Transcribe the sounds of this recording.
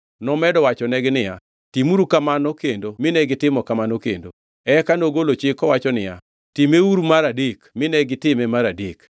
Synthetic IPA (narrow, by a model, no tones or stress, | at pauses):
nɔmɛdɔwat͡ʃɔnɛɡɪnɪja | timuɾukamanɔkendomɪnɛɡɪtɪmɔkamanɔkḛndo | ɛkanoɡolot͡ʃɪkɔwat͡ʃɔnɪja̰ | timeuɾumaɾadekmɪnɛɡɪtɪmɛmaɾadek